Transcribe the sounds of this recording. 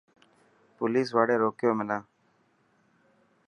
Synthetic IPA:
poːliːs̬ʋaːɽeːɾoːkɪjoːmɪnãː

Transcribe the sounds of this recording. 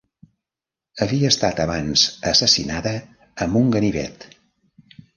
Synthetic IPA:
əβiəːst̪at̪əβanz̥əsəsḭnaðəː | mbuŋɡəniβɛ̰t̪

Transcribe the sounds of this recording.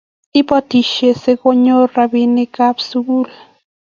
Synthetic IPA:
ipat̪iʃeseɡoɲorabinekapsuɡul

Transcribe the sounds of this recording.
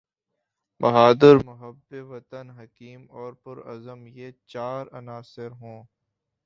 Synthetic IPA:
bɐɦaːd̪ɪɾmʊɦəbːeʋɐt̪ənɦɐkiːmɔːɾpʊɾɐ̰zəmjet͡ʃaːɾɐnaːsɪɾɦõː

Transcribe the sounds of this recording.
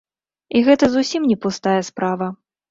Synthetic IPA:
iɣɛt̪ɐzusʲimnʲɛpust̪ajɐspɾavɐ

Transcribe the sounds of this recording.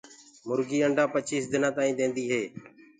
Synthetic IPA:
mʊɾɡiːəɳɖaːpət͡ʃiːsd̪ɪnãːt̪aːĩːd̪ẽːnd̪iːɦeː

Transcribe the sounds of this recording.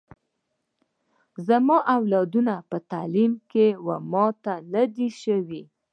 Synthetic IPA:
zamɑʔawlɑd̪unapət̪alimkewamɑt̪anad̪iʃəwi

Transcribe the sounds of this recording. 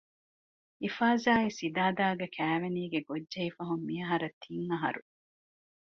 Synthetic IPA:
ifaːzaːesid̪aːd̪aːɡɐkʰæːʋeniːɡeɡodːɐifɐɦumːiɐɦɐɾɐt̪ʰːiŋɐɦɐ̰ɾu

